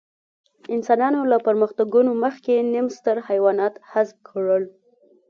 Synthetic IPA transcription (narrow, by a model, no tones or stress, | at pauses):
ɪnsɑnɑnolapəɾməxt̪aɡunoməxkenimst̪əɾhajwɑnɑt̪hasb̚kʰəɽəl